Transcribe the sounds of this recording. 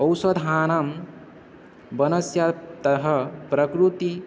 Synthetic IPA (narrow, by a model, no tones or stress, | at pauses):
ɐwsɐd̪ʱɦaːnɐm | bɐnɐsjat̪ɐɦəpɾɐkɾut̪i